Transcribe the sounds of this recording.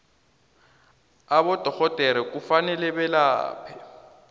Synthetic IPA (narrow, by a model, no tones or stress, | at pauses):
abɔd̥ʱɔɣɔdʱɛɾik̬ʼufanɛlɛbɛla̰ːpʰɛ